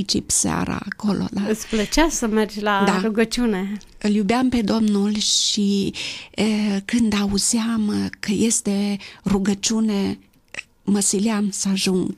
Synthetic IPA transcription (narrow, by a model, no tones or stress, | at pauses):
it͡ʃipsa̰ɾa̰kolʔo̰laɨsplət͡ʃasəmerd͡ʒlad̪aɾuɡət͡ʃune | ɨljubeamped̪omnulʲʃi | əkɨnd̪auzjamkəjest̪eruɡət͡ʃune | məsiljamsaʒuŋɡ